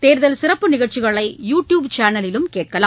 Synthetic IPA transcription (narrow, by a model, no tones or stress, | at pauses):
t̪eːɾðɐlsɪrɐpːɯnɪɣɐɽt͡ʃɪɣɐɭɐɪjuːʈjuːbt͡ʃaːnɐlɪlɯmkeːʈ̚kɐla̰ː